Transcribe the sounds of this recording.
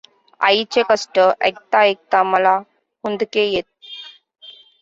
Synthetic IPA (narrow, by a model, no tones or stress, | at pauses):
a̰it͡ɕekəsʈəʔek̚t̪aek̚t̪aməla | hund̪kejet̪̚